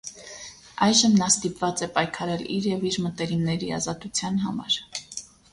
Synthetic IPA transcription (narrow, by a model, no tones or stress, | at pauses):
ɑjʒəmnɑst̪ipvɑt͡sɛpɑjkʰɑɾɛliɾjɛviɾmət̪ɛɾimnɛɾiɑ̰zɑt̪ut͡sʰjɑnɦɑ̰mɑ̰ɾ